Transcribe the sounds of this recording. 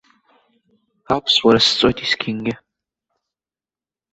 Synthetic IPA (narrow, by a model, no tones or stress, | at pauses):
apʰswaɾɐsɨ̥t͡sʼɔjtʰiskʲʰɪŋɡʲɪ